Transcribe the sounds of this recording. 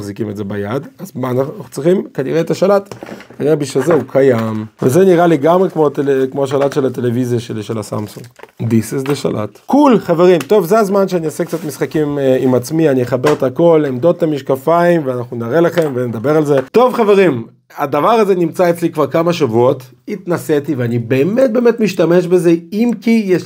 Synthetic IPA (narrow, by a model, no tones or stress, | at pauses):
χzikimedzebajad̪azmaːnaaχut͡sʁiχimkaniʁeːt̪aʃalat̪kaniʁebiʃazeukʰajamvezeniʁaleɡamʁekmot̪elkmoaʃ̬alat̪ʃe̞lat̪e̞levizjaʃeliʃelasa̰msuŋɡd̪isisd̪eʃa̰lʔa̰t̪kulχaveʁimt̪o̞vzeazmanʃeaniosekt͡sat̪misχakimimat͡smianijeχabe̞ʁt̪ako̞lemd̪ot̪ːamiʃkafaimveanaχnunaʁelaχe̞mvened̪abeʁalze̞t̪o̞vχave̞ʁim | ad̪avaʁazenimt͡saet͡slikvaʁkamaʃavuot | it̪naset̪iveanibe̞ːmet̚be̞ːmet̪miʃtameʃbezeimkijeʃ